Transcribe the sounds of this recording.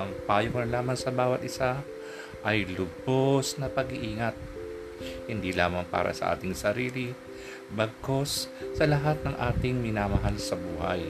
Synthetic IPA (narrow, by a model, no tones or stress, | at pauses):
ʔɐŋpaːjoknɐlaːmɐnsɐbaːwɐt̪̚ʔɪsa | ʔɐjlʊbosnɐpɐɡɪʔiːŋɐt̪̚ | hɪnd̪ilaːmɐŋpa̰ːɾʔɐ̰sɐ̰ʔa̰ːt̪ɪŋsɐɾiːlɪ | bɐɡ̚ko̞sːɐlɐɦat̪̚nɐŋʔaːt̪ɪŋmɪnaːmɐɦalsɐbuːhɐ̰j